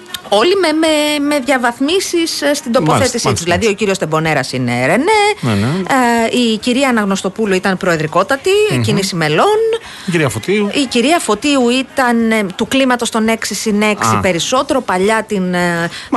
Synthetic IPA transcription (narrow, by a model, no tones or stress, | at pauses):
o̞limememe̞ðʝɐvɐθmisisst̪ind̪opoθe̞t̪isit̪uzðilɐðio̞ciɾiost̪e̞bo̞ne̞ɾɐsinḛɾenenn | iciɾiɐːnɐɣno̞st̪o̞puluit̪ɐnpɾo̞eðɾiko̞t̪ɐt̪icinisime̞lo̞n | iɾiɐfot̪iuiciɾiɐfo̞t̪iuit̪ɐnt̪uklimɐt̪o̞st̪o̞ne̞ksisine̞ksipe̞ɾiso̞t̪e̞ɾo̞pɐʎɐt̪in